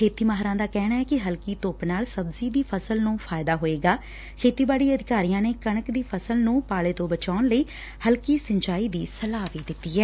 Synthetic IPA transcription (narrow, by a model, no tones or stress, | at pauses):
kʰeːt̪iːmaːɦɾãːd̪aːkɛːnaːɛːkɪɦəlkiːt̪oːpnaːlsəbziːd̪iːpʰəsəlnũːpʰaːɪd̪aːɦoːeːɡaː | kʰeːt̪iːbaːɽiːəd̪ɪkaːɾijãːneːkəɳ̃əkd̪iːpʰəsəlnũːpaːleːt̪õːbət͡ʃaːnləiː | həlkiːsə̃ɲt͡ʃaːiːd̪iːsəlaːʋiːd̪ɪt̪ːiːɦɛː